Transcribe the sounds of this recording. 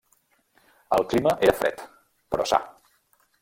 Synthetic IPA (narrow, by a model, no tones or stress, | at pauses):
əlˠkliməʔeɾəfɾɛ̰t̪ | pɾɔ̰sa̰